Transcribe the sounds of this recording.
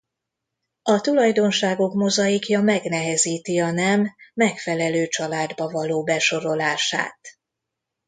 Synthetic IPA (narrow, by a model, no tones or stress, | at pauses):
ɒt̪ulɒjd̪o̞nʃaːɡo̞kmo̞zɒjikjɒmɛɡnɛɦɛziːt̪iɒnɛmːɛkfɛlɛløːt͡ʃɒlaːd̪bɒvɒloːbɛʃo̞ɾo̞laːʃa̰ːt̪